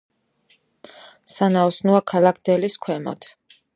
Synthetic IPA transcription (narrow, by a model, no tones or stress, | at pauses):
sanaɔsnuakʰalakʰd̪ɛliskʰwɛmɔ̰t̪ʰ